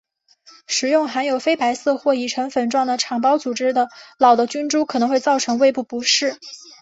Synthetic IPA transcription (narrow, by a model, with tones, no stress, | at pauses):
ʂɻ̩˨˩jʊ˥˩ŋxa˧˥njo˨˩ʊfe˥ɪpa˧˥ɪsɤ˥˧xwɔ˥˧i˨˩ʈ͡ʂʰɤ˧˥ŋfə˨˩nʈ͡ʂwɑ˥˩ŋd̪ə˩ʈ͡ʂʰɑ˨˩ŋpɑ˥ʊt͡su˨˩ʈ͡ʂɻ̩˥d̪ə˨lɑ˨˩ʊd̪ə˦t͡ɕy˥nʈ͡ʂu˥kʰɤ˨˩nɤ˧˥ŋxwe˥˧ɪt͡sɑ˥˩ʊʈ͡ʂʰɤ˧˥ŋwe˥˧ɪpu˥˩pu˧˥ʂɻ̩˥˩